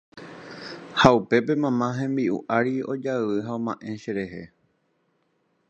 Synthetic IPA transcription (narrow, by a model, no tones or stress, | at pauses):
haupe̞pe̞mãmãɦẽ̞mbiʔṵʔaɾio̞d͡ʒaʋɨɦaõmãʔẽ̞ʃeɾe̞ɦe̞